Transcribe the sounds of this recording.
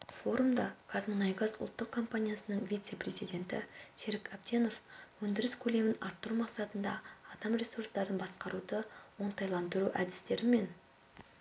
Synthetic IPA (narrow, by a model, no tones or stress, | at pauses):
fo̞ɾumd̪ɑkʰazmonɑjɡɑzʊ̰lˠt̪ːəq̚kʰːo̞mpanʲijasənəɴvʲijt̪se̞pre̞zijd̪e̞nt̪ɪ̰seɾɪkʰap̚t̪e̞no̞fwɵnd̪ɪɾɪskʲʰɵle̞mɪnɑ̰ɾt̪ːəɾumɑqsɑt̪ənd̪ɑ̰ːd̪ɑmrʲe̞suɾst̪ɑɾənbɑsqɑɾud̪əwoɴt̪ɑjlˠɑnd̪əɾuʔæd̪ɪst̪e̞ɾɪme̞n